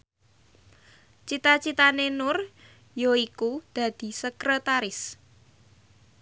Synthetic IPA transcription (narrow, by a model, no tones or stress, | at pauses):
t͡ʃit̪at͡ʃit̪anenʊr | joikud̪̥ä̤d̪̥i̤səkɾət̪aɾɪs